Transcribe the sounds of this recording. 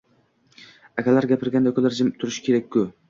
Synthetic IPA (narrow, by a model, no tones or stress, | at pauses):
akʲʰalaɾɡʲapʰɪɾɡʲand̪akʰolaɾd͡ʒɪmt̪ʰʊɾɪʃɪ̥kʲʰe̞ɾakʲʰkːʊ